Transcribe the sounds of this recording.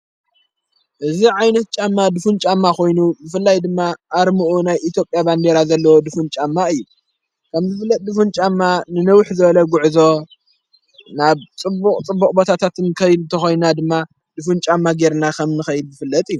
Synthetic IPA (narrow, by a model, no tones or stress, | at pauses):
ʔɨziʕajnɐt̪̚t͡ʃʼamːad̪ɨfunt͡ʃʼamːakʰo̞jnubɨfɨlːajd̪ɨmːaʔːɾmuʔunajʔit̪ʰjo̞pʼjaband̪eɾazɐlːɐwod̪ɨfunt͡ʃʼamːaɨjːu | kʰɐmzɨfɨlːɐt̪̚d̪ɨfunt͡ʃʼamːanɨnɐwħzɨβɐlɐɡuʕzo̞ | naβt͡sʼɨbːuqʼt͡sʼɨbːukʼbot̪ʰat̪ʰat̪ʰɨnkʰɐjd̪ɨnt̪ʰɐxo̞jnnad̪ɨmːa | d̪ɨfunt͡ʃʼamːaɡeɾnakʰɐmnɨxɐjɪd̪̚zɨfɨlːɐt̪ʼɨjːu